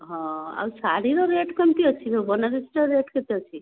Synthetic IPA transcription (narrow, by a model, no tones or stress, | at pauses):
ɦɔ̃a̰wsaɽiɾɔɾeʈkɔmt̪iɔt͡ʃʰisɔbɔnaɾisʈɔɾeʈket̪iɔt͡ʃʰi